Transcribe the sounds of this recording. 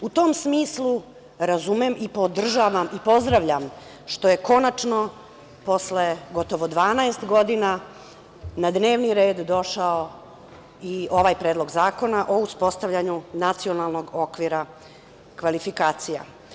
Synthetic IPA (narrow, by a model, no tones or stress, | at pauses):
ut̪o̞ːmsmiːslˠu | ɾazumemʔipod̪r̩ʒaʋamipo̞zd̪ɾaʋʎam | ʃt̪o̞jeko̞nat͡ʂno̞ | po̞sle̞ɡo̞t̪o̞ʋod̪ʋaːnaest̪ɡo̞d̪ina | nad̪ne̞ːʋniɾeːd̪d̪o̞ʃao | io̞ʋaːjpɾeːd̪lˠo̞ɡzaːko̞naʔo̞uspo̞st̪aʋʎaɲunat̪sio̞nalˠno̞ɡo̞kʋiɾa | kʋalifikaːt̪sija̰